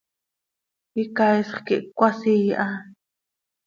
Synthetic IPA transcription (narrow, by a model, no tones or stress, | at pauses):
kikajsχkiʔkʷasijʔa